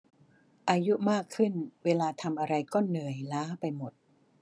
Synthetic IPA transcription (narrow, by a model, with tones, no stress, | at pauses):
ʔaː˧ju˦˥maː˥˩kʰːɯ˥˩nweː˧laː˧t̪ʰa˧mʔa˧ɾa˧jkɔː˥˩nɯ˨˩əjlaː˦˥pa˧jmo˨˩t̪̚